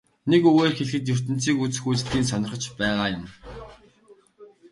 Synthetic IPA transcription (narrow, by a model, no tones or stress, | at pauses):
nekɵɣeːrxeɮxɘ̆t̪jɵr̥t̪ɘ̆n̥t͡siːkut͡sɘxujt͡sɮiːnsœnɞ̆rχə̆t͡ɕpæːʁaːjʊm